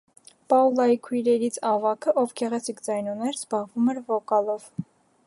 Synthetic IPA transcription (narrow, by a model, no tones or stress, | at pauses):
pɑulɑjikʰujɾɛɾit͡sʰɑvɑkʰəʔɔvɡɛʁɛt͡sʰikd͡zɑjnunɛɾzbɑʁvumɛɾvɔkɑlɔv̥